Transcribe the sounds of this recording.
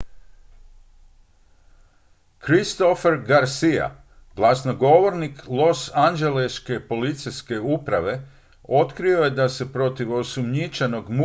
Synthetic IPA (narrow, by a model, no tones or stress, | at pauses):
kɾist̪o̞fe̞ɾɡaɾsija̰ | ɡ̥lˠasnoɡo̞ʋo̞ɾniklˠo̞sand͡ʒe̞leʃke̞po̞lit̪sijske̞upɾaʋe̞ | o̞t̪kɾio̞je̞d̪ase̞pɾo̞t̪iʋo̞sumɲit͡ʃano̞ɡmu